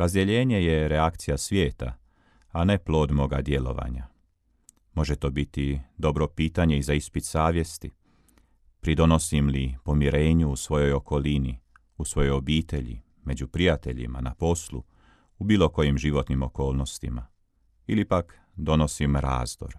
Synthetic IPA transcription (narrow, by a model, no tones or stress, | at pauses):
ɾazd̪jeʎe̞ːɲe̞je̞ɾe̞akt̪sijasʋje̞ːt̪a̰ | ane̞plˠo̞ːd̪mo̞ɡad̪je̞lo̞̰ʋa̰ɲa | mo̞ʒet̪o̞ːbit̪id̪o̞bɾo̞piːt̪aɲeizaispit̪saːʋje̞st̪i | pɾid̪o̞no̞simlipo̞miɾe̞ːɲuusʋo̞jo̞jo̞ko̞lini | usʋo̞jo̞jo̞biːt̪e̞ʎḭ | me̞d͡ʑupɾijat̪e̞̰ʎḭma̰na̰po̞slˠṵ | ubiːlˠo̞ko̞jimʒiʋo̞t̪nimo̞ko̞ːlˠno̞st̪ḭma | ilipak | d̪o̞no̞simɾa̰ːzd̪o̞̰ɾ